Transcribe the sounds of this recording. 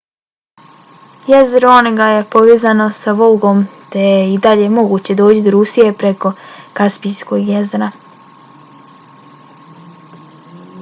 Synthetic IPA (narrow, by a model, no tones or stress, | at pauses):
je̞zɾoneɡaje̞po̞ʋeːzano̞saʋo̞lˠɡo̞mt̪e̞jeid̪aʎe̞mo̞ɡuːt͡ɕe̞d̪o̞ːt͡ɕid̪oɾusije̞pɾe̞ko̞kaspijsko̞ɡjezɾa